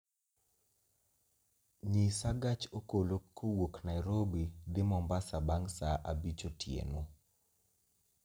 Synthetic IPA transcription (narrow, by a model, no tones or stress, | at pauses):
ɲisaɡat͡ʃokolokʰːowoknajɾobid̪ɪmɔmbasabaŋsaʔabit͡ʃotjḛno